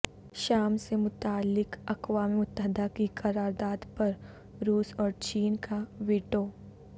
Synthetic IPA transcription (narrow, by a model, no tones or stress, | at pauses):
ʃaːmsemʊt̪aːlːɪkɐkwaːmiʊt̪ːəɦd̪akikɐɾaːɾd̪aːd̪pɐɾ | ɾuːsɔːɾt͡ʃiːnkaʋeːʈoː